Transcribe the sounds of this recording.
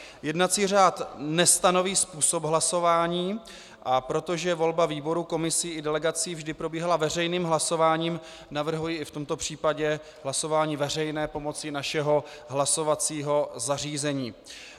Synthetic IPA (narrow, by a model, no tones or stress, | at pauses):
jɛdnat͡siːr̝aːt̪nɛst̪ano̞viːspuːsobɦlaso̞vaːɲiː | ʔapɾo̞t̪o̞ʒɛvo̞lbaviːbo̞ɾuko̞mɪsɪʔɪdɛlɛɡat͡siːvʒdɪpɾo̞biːɦalavɛrɛjniːmɦlaso̞vaːɲiːm | navr̩ɦujiːɪft̪o̞mt̪o̞pr̝̥iːpaɟɛ | ɦlaso̞vaːɲiːvɛr̝ɛjnɛːpo̞mo̞t͡sɪnaʃɛɦo̞ɦlaso̞vat͡siːɦo̞zar̝iːzɛɲiː